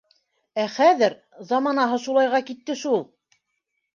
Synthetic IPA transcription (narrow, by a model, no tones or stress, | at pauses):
æχæðɘɾ | zɑmɑnɑɦɤʃulˠɑjʁɑkit̪ːɘʃulˠ